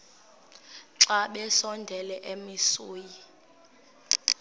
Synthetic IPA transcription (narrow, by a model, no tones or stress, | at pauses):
ǀaɓɛsɔndʱɛlɛʔemisuːji